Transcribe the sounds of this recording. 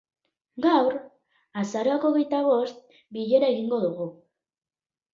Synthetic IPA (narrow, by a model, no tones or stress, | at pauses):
ɡawɾ | asaɾo̞ako̞ɣ̞e̞jt̪aβ̞o̞st̪̚ | biʎe̞ɾae̞ɣiŋɡo̞ðuɣ̞u